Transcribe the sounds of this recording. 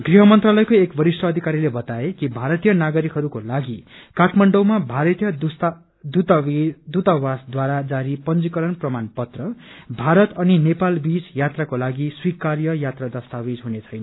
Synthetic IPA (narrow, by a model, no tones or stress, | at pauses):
ɡriɦʌmʌnt̪ralʌjkoekbʌɾisʈʌːd̪ʱikaɾilebʌt̪aekibʱaɾʌt̪ijʌnaɡʌɾikɦʌɾukolaɡikaʈʰmaɳɖʌwmabʱaɾʌt̪jʌd̪us | d̪ut̪d̪ut̪awasd̪waɾad͡zaɾipʌnd͡zikʌɾʌnprʌmanpʌt̪rʌbʱaɾʌt̪ʌninepalbid͡zjat̪rakolaɡiswikarjʌjat̪rad̪ʌst̪awid͡zɦunet͡sʰʌjnʌ